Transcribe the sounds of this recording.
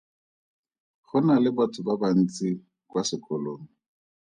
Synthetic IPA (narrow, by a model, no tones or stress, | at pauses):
χʊnalɪbatʰʊbaban̩t͡si | kwasɪkʰʼɔloːŋ̩